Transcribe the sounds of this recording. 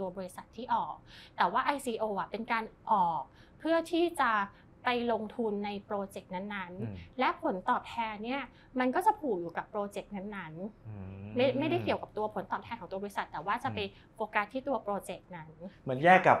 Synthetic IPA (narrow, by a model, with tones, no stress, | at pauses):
t̪u˧ɐbɔː˧ɾi˦˥sa˨˩t̪ʰːiː˥˩ʔɔː˨˩k̚t̪ɛː˨˩waː˥˩ʔa˧jsiː˧ʔoː˧ʔa˨˩pe˧nkaː˧nʔɔː˨˩k̚pʰɯ˥˩ɐt̪ʰiː˥˩t͡ɕa˨˩ | pa˧jlo˧ŋt̪ʰu˧nːa˧jpɾoː˧t͡ɕe˨˩k̚na˦˥nːa˦˥nlɛ˦˥pʰo˩˦nt̪ɔː˨˩p̚t̪ʰɛː˧nːi˥˩ɐ | ma˧nkɔː˥˩t͡ɕa˨˩pʰuː˨˩k̚juː˨˩ka˨˩pːɾoː˧t͡ɕe˨˩k̚na˦˥nːa˦˥n | ma˥˩ma˥˩jda˥˩jki˨˩əwka˨˩pt̪u˧ɐpʰo˩˦nt̪ɔː˨˩p̚t̪ʰɛ˧nkʰɔ˩˦t̪u˧bɔː˧i˥sa˨˩t̪ːɛː˨˩waː˥˩t͡ɕa˨˩pa˧j | ʔoː˧kaː˨˩t̪ʰːiː˥˩t̪u˧ɐpɾoː˧t͡ɕe˨˩k̚na˦˥nma˩˦njɛː˥˩kːa˨˩p̚